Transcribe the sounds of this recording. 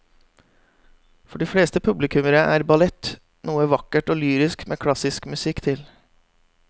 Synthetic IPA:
fɔɖiːfɽeːst̪əpʰʉblɪkʉməɾəʔæ̰ːɾbɑlɛt̪ː | nuːəʋɑkːəʈoːlyːɾɪskmʔeːkʰlɑsɪskmʉsɪkt̪ʰɪl

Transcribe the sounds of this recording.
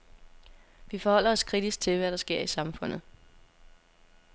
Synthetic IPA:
ʋifɒ̽hɒ̽l̰ɐɒ̽skʰʁid̥isɡ̥̚t͡sʰe̝lʋæɾ̥ɑ̈sɡ̥e̝ɐ̰isɑ̈mfɔ̽n̰ð̩ˠ

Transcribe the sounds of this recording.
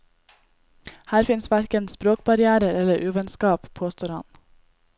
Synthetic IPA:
hæːɾfɪnsʋæɾkənspɾoːk̚bɑɾɪæːɾəɾɛləɾʔʉːʋɛnskɑːppʰoːst̪ʰoːɾɑ̰n

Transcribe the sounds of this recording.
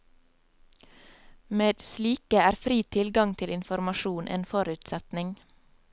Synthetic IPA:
meːd̪sliːkəæːɾfɾiːt̪ʰɪlɡɑŋt̪ʰɪlɪnfɔɾmɑʃuːnʔḛːnfɔɾʉːt̪sɛt̪nɪŋ

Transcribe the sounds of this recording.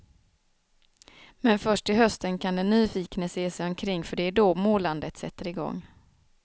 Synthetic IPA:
mɛnfœʂʈɪɦœst̪ənkʰand̪ɛnːyːfiːknəseːsɛjɔmkʰɾɪŋːfœɖɛæɖɔmoːland̪ət̪sɛ̰t̪ːəɾɪɡɔ̰ŋː

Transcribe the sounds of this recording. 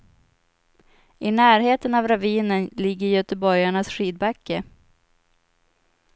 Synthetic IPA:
ʔɪnæːɾɦeːt̪ənavɾaviːnənlɪɡːəɾjœt̪əbɔɾjaɳasɧiːd̪̚bakʰːə

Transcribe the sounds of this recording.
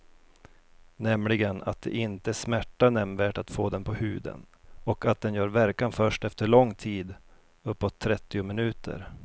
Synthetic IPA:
nɛmlɪɡəna̰t̪̚d̪ɛ̰ʔɪnt̪əæʂmæʈːanɛmnvæːʈat̪foːd̪ɛnpʰɔhʉ̟ːd̪ə̰nɔkat̪̚d̪ɛnjœːɾvæɾkanfœʂʈɛft̪əɭɔŋːt̪ʰiːd̪ | ɵpːɔt̪ʰːɾɛt̪ːɪʊmɪnʉ̟ːt̪ʰə̰ɾ

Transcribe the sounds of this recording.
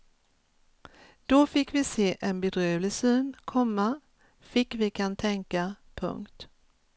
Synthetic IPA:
d̪̥ɔfɪkːvɪseːʔɛnbɛd̪ɾøːvlɪsyːnkʰɔmːa | fɪkːvɪkʰant̪ʰɛŋka | pʰɵ̰ŋkt̪

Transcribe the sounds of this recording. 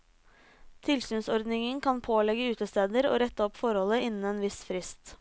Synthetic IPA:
t̪ʰɪlsyːnsɔɾd̪nɪŋənkʰɑnpʰoːlɛɡəʉːt̪əst̪eːd̪əɾo̰ːɾɛt̪ːəɔpfɔɾhɔləɪnn̩ɛːnʋɪsfɾɪst̪

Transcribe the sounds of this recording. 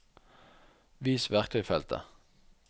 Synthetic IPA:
ʋiːsʋæʁk̚t̪ʰœʏfɛlt̪ʰə̰

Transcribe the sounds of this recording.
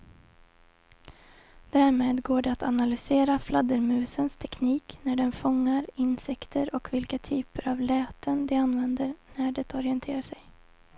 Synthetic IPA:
d̪̥æːɾmeːd̪ɡoːɖɛat̪ʰanalʏseːɾaflad̪əɾmʉ̟ːsənst̪ʰɛkʰniːknæɖɛnfɔŋːaɾɪnsɛkt̪ʰəɾɔkvɪlkat̪ʰyːpəɾavlɛːt̪ʰənd̪ɛanvɛnd̪əɾnæɖɛt̪ɔɾɪɛnt̪ʰeːɾaʂɛj

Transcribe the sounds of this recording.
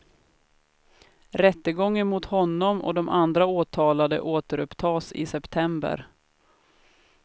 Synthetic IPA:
ɾɛt̪ːəɡɔŋːənmʊt̪hɔnːɔmɔ̰d̪ɔmʔand̪ɾaoːt̪ʰɑːlad̪ə̰ʔoːt̪əɾɵpt̪ʰɑːsɪ̰sɛpt̪ʰɛmbə̰ɾ

